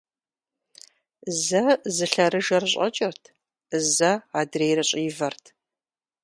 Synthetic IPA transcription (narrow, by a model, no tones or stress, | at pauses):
zɐzɨɬɐɾɨʒɐrɨɕʼɐ̰t͡ʃʼɐrtʰ | zɐaːdrejɾɐɕʼiːvɐrtʰ